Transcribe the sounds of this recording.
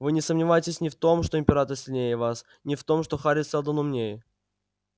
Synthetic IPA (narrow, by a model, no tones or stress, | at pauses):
vɨnʲɪsəmnʲɪvajɪtʲɪsʲnʲɪft̪o̞mʂt̪oɪmʲpʲɪɾat̪əɾsʲɪlʲnʲejəvas | nʲɪft̪o̞mʂt̪o̞xaɾʲɪsʲɛlˠd̪ənʊmnʲej